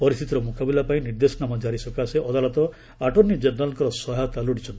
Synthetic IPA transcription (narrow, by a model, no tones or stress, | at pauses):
pɔɾist̪ʰit̪iɾɔmukabilapaĩniɾd̪esɔnamɔd͡ʒaɾisɔkaseʔɔd̪alɔt̪ɔ | aʈɔnːid͡ʒeɾnalɔŋkɔɾɔsɔɦat̪aluɽit͡ʃʰɔnt̪i